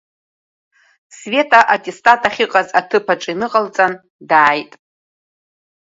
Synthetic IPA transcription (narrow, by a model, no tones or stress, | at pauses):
sve̞tʰʼaʔatʼestʼatʰʼaχʲiqʼazatʰɨpʰaʈ͡ʂʼinɨqʼalt͡sʼan | daːjtʼ